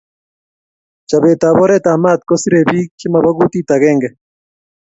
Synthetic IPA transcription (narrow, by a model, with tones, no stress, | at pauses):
t͡ʃa˨βe˨ta˨βo˦ɾe˦ta˨ma˦t̪̚ko˦si˦ɾe˨βi˦ki˦ma˨βa˦ɣu˦ti˦ta˨ɣɛː˦ŋɡɛ